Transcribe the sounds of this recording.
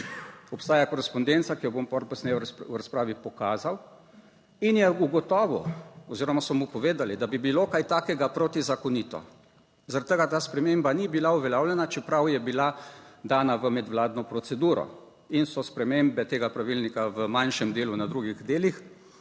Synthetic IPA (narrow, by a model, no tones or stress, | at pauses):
ɔpst̪aːjakɔɾɛspɔnd̪ent̪sakijɔbompɔɾlpɔsnɛjɛwɾaspɾaːʋipɔkaːzaw | injɛuɡɔt̪ɔːʋɔ̰ɔziːɾɔmasɔmupɔʋeːd̪alid̪abibilokajt̪aːkɛɡapɾoːt̪izakɔniːt̪ɔ̰ | zaɾat̪̚ːəɡat̪aːspɾɛmembanibilauʋɛlʲaːwlʲɛnat͡ʃɛpɾawjɛbilad̪aːnaʋəmɛd̪wlaːd̪nɔpɾɔt̪sɛd̪uːɾɔ̰ | insɔspɾɛmembɛt̪eːɡapɾaʋilnikaʋəmanʃɛmd̪eːlunad̪ɾuɡiɣd̪eːlix